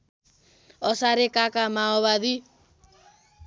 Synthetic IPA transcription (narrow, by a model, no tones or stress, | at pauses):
ɔsaɾekakamaɔβad̪i